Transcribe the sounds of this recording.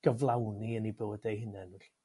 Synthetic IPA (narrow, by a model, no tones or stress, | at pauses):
ɡ̥əvlˠawniənibəwɛdejɦɪnɛnʊɬi